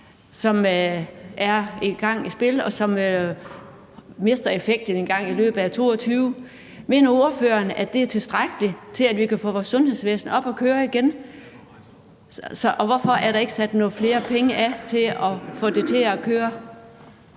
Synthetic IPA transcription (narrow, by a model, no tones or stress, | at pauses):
sɒ̽m | ʔæɐeɡ̥ɑ̈ŋ̰isb̥e̝lɒ̽sɒ̽mø | me̝sd̥ɐe̝feɡ̥̚d̥n̩e̝nɡ̥ɑ̈ŋ̰ilø̰ːb̥ð̩ˠæt͡sʰo̝̰ːɒ̽t͡sʰyːʊ | me̝ːnɐo̝ɐføːɐnædd̥e̝æɐt͡sʰe̝lsd̥ʁaɡ̥əlit͡sʰe̝lædʋikʰæfɔ̰ːʋɒːsːɔ̽nhe̝ðˠsʋḛːsn̩ɒ̽b̥ɒ̽kʰøːɐiɡ̥en | sɒ̽ʔɒʋɒfɒ̽ʔæɐɾɑ̈e̝ɡ̥əsæd̥nɔ̽ːð̩ˠfle̝ːɐpʰeŋəʔæt͡sʰe̝lɒfɔ̰̽d̥e̝t͡sʰe̝ɒkʰøːɐ